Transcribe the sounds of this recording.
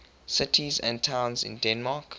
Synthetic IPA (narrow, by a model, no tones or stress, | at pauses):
sɪtʰizɛ̰̃ntʰãʊ̃nzɪ̰̃ndɛ̃nmak